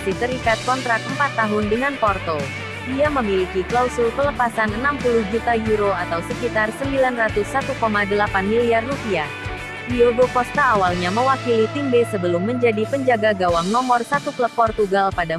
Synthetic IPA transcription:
sit̪əɾikat̪̚kɔnt̪ɾak̪̚əmpat̪ːaɦʊndəŋanpɔrt̪ɔl | diaməmilikiklausʊlkələpasanənampulʊhd͡ʒut̪ajuɾoat̪awsəkit̪arsəmbilanrat̪ʊsːat̪ukomadəlapanmiliarːupiah | dioɡokɔst̪aːwalɲaməwakilit̪iŋbesəbəlʊmːəɲd͡ʒadipəɲd͡ʒaɡaɡawaŋnɔmɔrsat̪ukləp̚pːɔrt̪uɡalpada

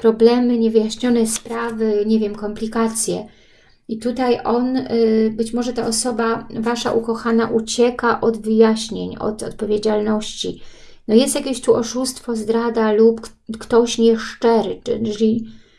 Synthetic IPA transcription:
pɾɔblɛmɘɲɛvɘjaɕɲɔnɛspɾavɘɲɛvʲjɛmkɔmplʲikat̪sʲjɛ | it̪ut̪ajʔɔnbɘt͡ɕmɔʐɛt̪aʔɔsɔbavaʂa̰ʔukɔxanaʔut͡ɕɛkaʔɔd̪vɘjaɕɲeɲɔ̰t̪ɔt̪̚pɔvʲjed͡ʑalnɔɕt͡ɕi | nɔjɛst̪jakʲeɕt̪uʔɔʂust̪fɔzd̪ɾad̪alupkt̪ɔɕɲɛʂt͡ʂɛɾɘt͡ʂɘ̰lʲi

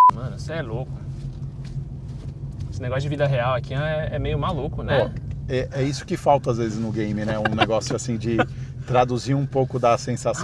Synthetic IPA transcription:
mɐ̃nʊseɛlokʊ | esɪneɡɔsʊd͡ʒɪvid̪ɐɦeawɐkiãɛɛmejʊmalukʊnɛoɛʔɛisʊ̥kɪfawt̪ɐazvezɪznʊɡẽj̃mɪnɛũneɡɔsjʊasĩd͡ʒɪt̪ɾad̪uziɾũpowkʊd̪ɐsẽsas

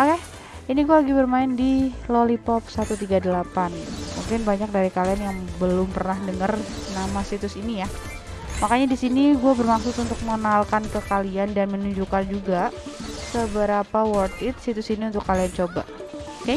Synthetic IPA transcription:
oke | iniɡualaɡibərmaɪndilolipɔp̚sat̪ut̪iɡadəlapanmuŋkɪnbaɲak̚daɾikalianjaŋbəlʊmpərnahdəŋərnamasit̪ʊsinija | makaɲadisiniɡuabərmaksʊt̪unt̪ʊk̚məŋənalkankəkaliandanmənuɲd͡ʒukand͡ʒuɡasəbəɾapawɔrt̪ɪt̪̚sit̪ʊsiniunt̪ʊkːaliant͡ʃoba̰ | ka

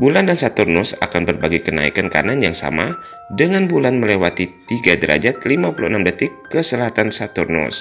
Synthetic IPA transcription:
bulandansat̪urnʊsa̰kanbərbaɡikəna̰ḭkanka̰nanjaŋsa̰ma̰ | dəŋanbulanməlewat̪it̪iɡadəɾʔa̰d͡ʒat̪̚limapuluənamdət̪ɪkːəsəlaɦat̪ansat̪urnʊ̰s

